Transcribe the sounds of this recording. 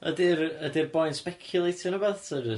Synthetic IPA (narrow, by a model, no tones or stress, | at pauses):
ə̰dɪrədɪrbɔjnspɛkʰjʊlˠejtʰɪnəbɛðtʰə